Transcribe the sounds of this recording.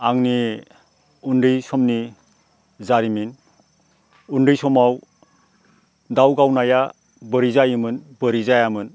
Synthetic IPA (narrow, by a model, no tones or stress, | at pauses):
aŋni | unɾɯjsɔmni | zaɾimin | unɾɯjsɔmaw | dawɡawnaja | bəɾizajɯmɯnbəɾizajamɯn